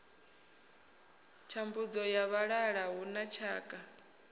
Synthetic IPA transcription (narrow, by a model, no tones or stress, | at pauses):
t͡ʃʰambud͡zɔjaβaɺaɺaɦunat͡ʃʰaːkʼa